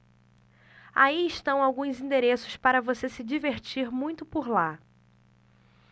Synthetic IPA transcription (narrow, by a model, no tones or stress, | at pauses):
aiɪʃt̪ɐ̃w̃awɡũzĩd̪eɾesʊ̥spaɾɐvosesɪd͡ʒiveɾt͡ʃiɾmũj̃t̪ʊpoɾla